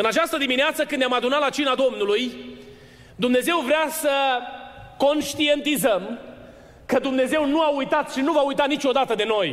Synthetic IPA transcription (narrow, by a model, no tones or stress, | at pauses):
ɨnat͡ʃast̪əd̪imineat̪səkɨnd̪jamad̪unat̪lat͡ʃinad̪o̞mnuluj | d̪umne̞ze̞wvɾeasə | ko̞nʃt̪ie̞nt̪izəm | kəd̪umne̞ze̞wnuaujt̪at̪ʃinuvaujt̪anit͡ʃo̞d̪at̪əd̪e̞no̞j